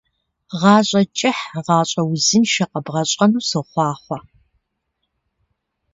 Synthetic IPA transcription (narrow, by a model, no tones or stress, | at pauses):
ʁɑːɕʼɐt͡ʃʼɪħʁɑːɕʼɐwzɪnʃɐqɐbʁɐɕʼɐnuːsɨχʷɑːχʷɐ